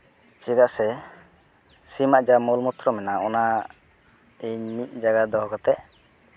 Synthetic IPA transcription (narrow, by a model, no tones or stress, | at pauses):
t͡ʃid̪aʔsɛ | simaʔd͡ʒamɔlmɔt̪ɾɔmɛnaɔna | iɲmit̪̚ˀd͡ʒaɡad̪ɔɦɔkɔt̪ɛʔ